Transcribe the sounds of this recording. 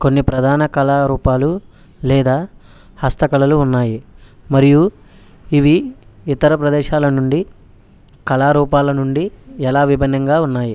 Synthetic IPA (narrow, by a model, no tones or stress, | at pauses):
ko̞nːipɾɐd̪ʱaːnɐkɐlaːɾuːpaːlu | lɛːd̪aː | hɐst̪ɐkɐlɐluːnːaːji | mɐɾiju | iʋiit̪ɐɾɐpɾɐd̪ɛːʃaːlɐnuɳɖi | kɐlaːɾuːpaːlɐnuɳɖiɛlaːʋibʱɐnːɐŋɡaːunːaːji